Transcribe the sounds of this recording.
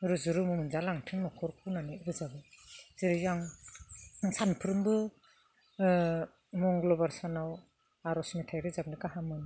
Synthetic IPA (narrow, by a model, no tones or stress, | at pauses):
ɾɯzuɾɯmɯmɯnzalaŋtʰɯŋnɔkʰɔɾkʰunanɯɾɯzabɯziɾɯjaŋ | sanpʰɯɾɯmbɯ | mɔŋɡlɔbaɾsanaw | aɾɔsmetʰajɾɯzab̚nɯkaɦamɯn